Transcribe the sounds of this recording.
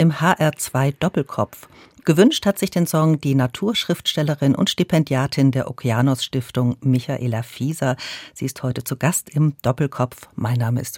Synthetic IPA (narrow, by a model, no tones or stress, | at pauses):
ʔɪmhaːʔɛɐt͡sv̥aɪd̥ɔpl̩kʰɔpp͡f | ɡ̥əvʏnʃthatz̥ɪçd̥eːnsɔŋd̥iːnatʰuːɐʃʁ̥ɪftʃtɛləʁɪnʔʊ̰ntʃtipʰɛndjaːtʰɪndeːɐʔokʰiaːnosʃtɪftʊŋmɪçaʔeːlafiːzɐz̥iːɪsthɔʏtət͡suɡastɪmd̥ɔpl̩kʰɔpfmaɪnːaːməɪ̰st